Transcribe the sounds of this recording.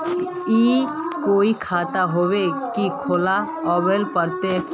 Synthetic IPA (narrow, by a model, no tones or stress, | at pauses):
iː | koːikʰaːt̪aɦoʋekikʰola | ɔːʋelpəɾt̪e